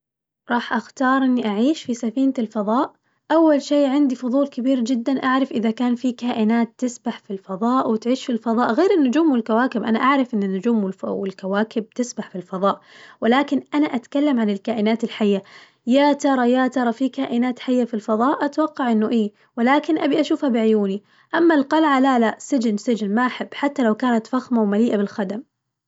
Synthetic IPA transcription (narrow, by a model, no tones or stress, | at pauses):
ɾˤɑːħʔaxt̪ɑːɾˤʔɪnːiʔaʕiːʃfisafiːntɪlfɑðˤɑːʔ | ʔawːalʃeːʕɪnd̪ifʊðˤuːlkɪbiːɾd͡ʒɪd̪ːanʔaʕɾˤɑfʔɪðakaːnfikaːʔɪnaːt̪ːɪsbaħfilfɑðˤɑːʔwɪt̪ʕiːʃfilfɑðˤɑːʔɣeːɾɪnːʊd͡ʒuːmwɪlkawaːkɪbʔanaʔaʕɾˤɑfʔɪnːɪnːʊd͡ʒuːmwɪwɪ̰lkawaːkɪb̚t̪ɪsbaħfilfɑðˤɑːʔwɪlaːkɪnʔanaʔat̪kalːamʕanɪlkaːʔɪnaːt̪ɪlħajːa | jaːt̪ɑɾˤɑjat̪ɑɾˤɑfikaːʔɪnaːt̪ħajːafilfɑðˤɑːʔʔat̪wɑqːɑʕʔɪnːʊʔiː | wɪlaːkɪnʔabiʔaʃuːfhabɪʕʊjuːni | ʔamːalqɑlʕalalaʔsɪd͡ʒɪnsɪd͡ʒɪnmaʔaħɪbːħat̪ːalawkaːnat̪faxmawmaliːʔabɪlxad̪am